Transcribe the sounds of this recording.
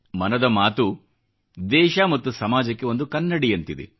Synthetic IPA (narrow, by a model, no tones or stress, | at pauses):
mɐnɐd̪ɐmaːt̪u | d̪ɛːʃɐmɐt̪ːusɐmaːd͡ʒɐkːe̞o̞nd̪ukɐnːɐɽijɐnt̪id̪ḛ